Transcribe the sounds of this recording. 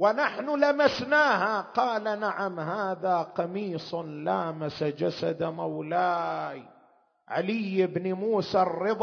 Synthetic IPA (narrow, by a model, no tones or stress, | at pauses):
wɪnaħnʊlamasnaːhaqɑːlanaʕamɦaːðaqɑmiːsˤnlaːmasad͡ʒasad̪mawlaːj | ʕa̰lɪjɪbnɪmuːsarːɨðˤ